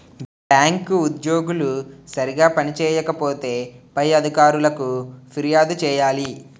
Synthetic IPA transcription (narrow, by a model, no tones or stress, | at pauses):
ɖaːŋkud̪jo̞ːɡulusɐɾiɡaːpɐnit͡ʃɛːjɐkɐpo̞ːt̪e̞ːpɐjɐd̪ʱikaːɾulɐkupʰiɾijaːd̪ut͡ʃɛːjaːli